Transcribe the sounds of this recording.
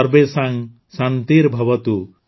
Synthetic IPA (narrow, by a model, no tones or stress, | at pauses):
ɾbesaŋ | sant̪iɾbʱɔbɔt̪u